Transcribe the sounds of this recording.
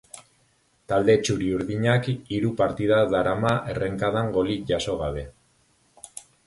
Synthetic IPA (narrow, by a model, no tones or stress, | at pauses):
t̪ald̪e̞t͡ʃuɾiuɾðiɲakiɾupaɾt̪iðaðaɾamaʔere̞ŋkaðaŋɡo̞likʝaso̞ɣaβe̞